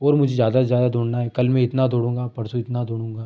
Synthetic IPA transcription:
ɔːɾmʊd͡ʒʱezjaːd̪azjaːd̪ad̪oːɽnaɦɛkɐlmẽɪt̪nad̪ʱoːɽũːŋɡaːpɐɾsuɪt̪nad̪ʱoːɽũːŋɡaː

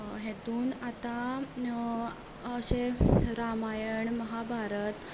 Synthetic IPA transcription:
ɦet̪uːnat̪a | əɕeɾamajəɳməɦabʱaɾət̪

